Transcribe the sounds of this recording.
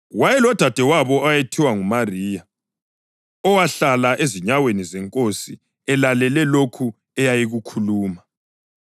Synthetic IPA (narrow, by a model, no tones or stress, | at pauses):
wajɛlɔd̥ʱad̥ʱɛwaβɔajetʰiwaŋumariːja | ɔwaɬalaʔeziɲawenizɛŋkʼosi | ɛlalɛlɛlokʰu | ɛjajiɣukʰuluːma